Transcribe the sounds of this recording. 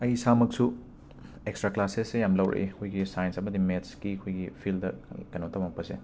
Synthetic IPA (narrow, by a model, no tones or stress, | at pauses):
ɐjsamɐk̚su | ekstɾaklasesːejamlɐwɾḛkʰojɡisajnsɐmɐdimetskikʰojɡipʰildɐkɐnotɐmɐk̚pɐsḛ